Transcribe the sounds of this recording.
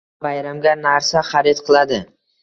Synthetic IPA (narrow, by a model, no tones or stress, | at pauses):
bajɾamɡʲanaɾsaχaɾet̪qʰɨlˠad̪ɪ